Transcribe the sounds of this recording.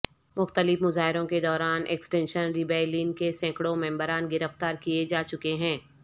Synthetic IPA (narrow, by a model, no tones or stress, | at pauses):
mʊxt̪əlɪfmʊzaːɦɪɾõked̪ɔːɾaːnʔɛ̰ksʈɛ̃ːnʃənɾibɛːlinkesɛ̃ːkɽõmɛ̃ːmbəɾaːnɡɪɾəft̪aːɾkijed͡ʒaːt͡ʃʊkeɦɛ̃ː